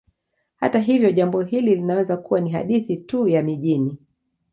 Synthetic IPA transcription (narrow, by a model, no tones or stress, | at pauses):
ha̰taɦivjɔʄambɔɦililinawɛzakuwaniɦa̰ɗiθitujamiʄini